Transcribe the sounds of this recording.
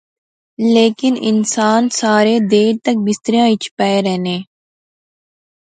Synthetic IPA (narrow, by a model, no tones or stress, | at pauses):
leːkɪnɪ̰nsaːnsaːɾeːd̪eːɾt̪ək̚bɪst̪əɾijãːɪt͡ʃʰpɛːeɾɛɦnẽː